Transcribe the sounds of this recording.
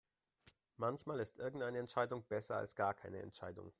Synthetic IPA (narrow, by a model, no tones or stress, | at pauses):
mançmaːlɪstʔɪɐɡŋ̩tʔaɪnəɛntʃaɪdʊŋb̥ɛsɐa̰lsɡ̥aːɐkʰaɪnəɛ̰ntʃa̰ɪdʊ̰ŋ